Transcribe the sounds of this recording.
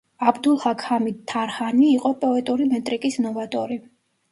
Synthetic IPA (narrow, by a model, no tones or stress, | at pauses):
abd̪ulˠhakʰamid̪̚t̪ʰːaɾhaniːqʼɔpʼɔɛt̪ʼuɾimɛt̪ʼɾikʼisnɔvat̪ʼɔ̰ɾi